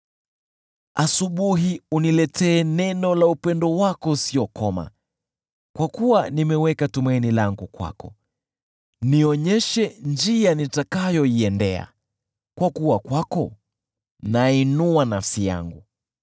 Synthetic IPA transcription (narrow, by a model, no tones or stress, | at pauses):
asuɓuɦiunilɛtʰɛːnɛnɔlaupɛndɔwakɔsiɔkɔma̰ | kwakuwanimɛwɛkatumainilaŋɡukwa̰kɔ̰ | niɔɲɛʃɛnd͡ʒianitakajɔiɛndɛa̰ | kwakuwakwakɔ | nainuanafsija̰ŋɡu